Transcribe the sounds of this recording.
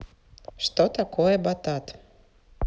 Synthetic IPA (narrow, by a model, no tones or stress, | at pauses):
ʃt̪ot̪akojɛbat̪ɑt̪